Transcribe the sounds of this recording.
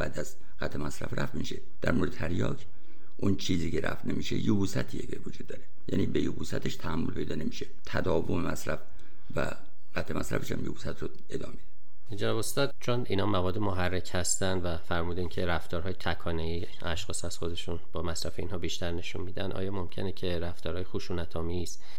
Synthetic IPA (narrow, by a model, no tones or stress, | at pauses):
bæːd̪æz | ɣ̥æt̪ʰːemæsɾæ̰fɾæft̪miʃe | d̪̥æɾmoɾed̪etʰæɾjɒːkʰ | ʔunt͡ʃʰiːziːkeɾæ̰fnemiːʃḛjobuːsæt̪ʰijekʰevud͡ʒuːd̪̚ːɒːɾejæ̰ːniːbejobuːsæt̪ʰeʃt̪ʰææmːolpʰejd̪ɒːne̞miːʃet̪ʰæd̪ɒːvomemæsɾæf | væ̰ | ɡ̥æt̪ʰːemʔæsɾæ̰feʃæ̰mjobuːsæt̪ʰɾo | ed̪ɒ̰ːmeed̪ | d͡ʒenɒːbo̞st̪ɒːd̪t͡ʃʰoniːnhɒːmævɒːd̪ːemoɦærːecʰhæst̪ænd̪væfæɾmuːd̪inkcʰeɾæft̪ɒːɾɒːjet̪ʰækʰɒːneiː | æʃxɒːsæz̥xo̞d̪e̞ʃunb̥ɒːmæsɾæfeḭːnhɒːbiːʃt̪æɾneʃṵnmiːd̪ænd̪ɒ̰ːjɒːmo̞mcʰe̞̰necʰe̞ɾæft̪ɒːɾhɒːjexuʃuːnæt̪ʰɒːmiːst̪